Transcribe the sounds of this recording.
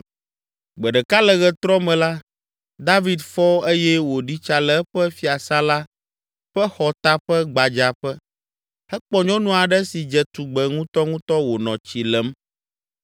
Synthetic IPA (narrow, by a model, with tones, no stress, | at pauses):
ɡ͡bɛ˨ɖɛ˨ka˦lɛ˨ɣɛ˨t̪ɾɔ˦mɛ̃˨la˦ | d̪a˦vi˨d̪fɔ˦e˦jɛ˦wo˨ɖi˦t͡ʃa˦lɛ˦ɛ˦ɸɛ˦fi˦a˨sa˦la˦ | ɸɛ˦xɔ˨t̪a˦ɸɛ˦ɡ͡ba˨d͡ʒa˨ɸɛ˦ | hɛ˦k͡pɔ˨ɲɔ̃˦nũ˦a˨ɖɛ˦si˨d͡ʒɛ˨t̪u˨ɡ͡bɛ˨ŋũ˦t̪ɔ˦ŋũ˦t̪ɔ˦wo˨nɔ̃˨t͡ɕi˨lɛ˨˦m